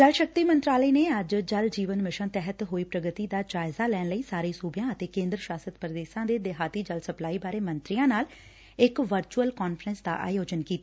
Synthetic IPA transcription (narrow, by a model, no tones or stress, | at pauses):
d̪əɾʃək̚t̪iːmənt̪ɾaːləiːneːəd͡ʒd͡ʒəld͡ʒiːʋənmɪʃənt̪ɛɦət̪ɦoːiːpɾəɡət̪iːd̪aːd͡ʒaːɪzaːlɛːnləiːsaːɾiːsuːbjãːət̪eːkẽːnd̪ɾəʃaːsət̪pɾəd̪eːʃãːd̪eːd̪eɦaːt̪iːd͡ʒəlsəplaːiːbaːɾeːmənt̪ɾijãːnaːl | ɪkʋəɾt͡ʃuəlkɔːnfʰɾənsd̪a̰ːʔa̰ːjoːd͡ʒənkiːt̪aː